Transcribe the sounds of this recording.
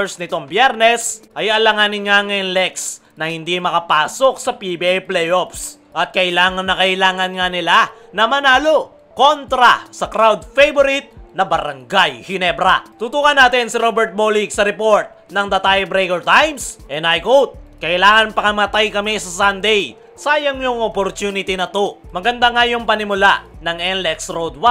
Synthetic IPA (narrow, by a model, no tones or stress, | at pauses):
ɹsnɪt̪o̞ŋbjɛɾnɛsʔɐjɐlɐŋanɪnaŋɛnlɛks | nɐhɪnd̪imɐkɐpaːso̞k̚sɐpibiɛplɛjʔofs | ʔɐt̪̚kɐʔɪlaːŋɐnːɐkɐʔɪlaːŋɐnŋanɪla | nɐmɐnaːlo̞ | ko̞nt̪ɾɐsɐkɾawd̪fejboɾɪt̪̚nɐbɐɾɐŋɡajhɪnɛbɾɐ̰t̪ut̪ukɐnːaːt̪ɪnsɪɾobɛɾt̪̚boliksɐɾɛpo̞ɹt̪̚nɐŋd̪ɐt̪ajbɾejkɛɹt̪ajmsʔɛnajkot̪̚kɐʔɪlaːŋɐnpɐkɐmɐt̪ajkɐmisɐsand̪ɛj | saːjɐŋjʊŋopoɾt̪juːnɪt̪inɐt̪omɐɡɐnd̪aŋajʊŋpɐnɪmʊla̰ʔnɐŋʔɛnlɛksɾod̪̚wa